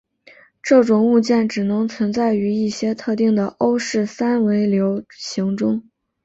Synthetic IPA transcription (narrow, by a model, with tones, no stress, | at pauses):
ʈ͡ʂɤ˥˩ʈ͡ʂʊ˨˩ŋu˥˧t͡ɕjɛ˥˩nʈ͡ʂɻ̩˨˩nɤ˧˥ŋt͡sʰwə˧˥nt͡sa˥˩ɪy˧˥i˥˩ɕjɛ˥t̪ʰɤ˥˧t̪i˥˩ŋd̪ə˩ʔo˥ʊʂɻ̩˥˩sa˥nwe˧˥ɪljo˧˥ʊɕi˧˥ŋʈ͡ʂʊ˥ŋ